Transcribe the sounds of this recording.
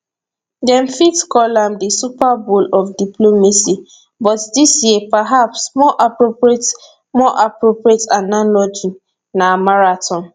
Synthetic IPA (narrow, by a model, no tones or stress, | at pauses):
dɛ̃mfitkɔlãmdisupabolɔfdiplomasi | bɔtdisjiepaɦapsmɔʔapɹopɹiet | mɔʔapɹopɹietanalɔd͡ʒi | namaɹatʰɔ̃n